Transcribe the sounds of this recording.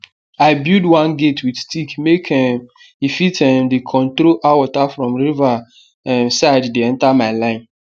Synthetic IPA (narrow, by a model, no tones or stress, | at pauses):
aɪbjudwãnɡetʰwidstikmekʰɛm | ifitʰɛ̃mdekʰɔ̃ntɾoʔawɔtafɹɔ̃mɹiva | ɛ̃nsaɪddeɛ̃ntamaɪlãɪ̃n